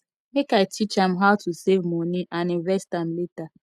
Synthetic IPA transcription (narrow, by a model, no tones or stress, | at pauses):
nekaetit͡ʃam̩ɦaʊtusevmoniʔanɪɾɛstam̩leta